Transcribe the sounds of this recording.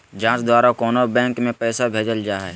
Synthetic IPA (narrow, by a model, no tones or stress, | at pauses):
d͡ʒãːt͡ʃd̪waːɾakoːnobɛ̃ːŋkmẽpɛːsabʱeːd͡ʒəld͡ʒaːɦɛː